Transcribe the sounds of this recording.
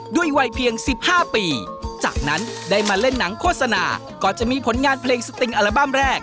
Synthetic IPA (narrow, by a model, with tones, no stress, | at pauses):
du˥˩əjwa˧jpʰi˧əŋsi˨˩p̚haː˥˩piː˧t͡ɕa̰ː˨˩k̚na˦˥nda˥˩jmaː˧le˥˩nːa˩˦ŋkʰo˥˩t̪̚sa˧na̰ː˧ | kɔː˨˩t͡ɕa˨˩ʔmiː˧pʰo˩˦nŋaː˧npʰleː˧ŋsa˧t̪i˧ŋʔa˧ɾa˧ba˥˩mɾɛː˥˩k̚